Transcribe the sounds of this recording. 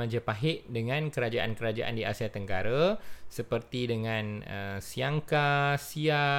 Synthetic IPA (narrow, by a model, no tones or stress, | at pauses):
ad͡ʒəpaɦɪʔdəŋãnkəɾad͡ʒaʔa̰nkəɾad͡ʒaʔa̰ndiasiat̪əŋkaɾasəpərt̪idəŋãnəsiaŋkasia